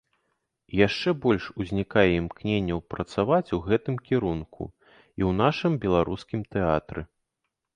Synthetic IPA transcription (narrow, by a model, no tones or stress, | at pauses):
jaʂt͡ʂɛbɔlʲʂuzʲnʲikajɛimknʲenʲːɐwpɾɐt̪savat͡sʲuɣɛt̪ɨmkʲiɾunkṵ | iwn̪aʂɨmbʲɛlˠaɾuskʲimt̪ɛat̪ɾɨ̰